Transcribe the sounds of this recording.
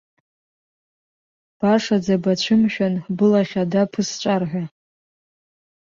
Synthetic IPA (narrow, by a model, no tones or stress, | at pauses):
b̥aʂad͡zabat͡ɕʷʰɨmʃᶣanbɨlaχʲadapʰɨst͡ʃʷʼarħᶣʷa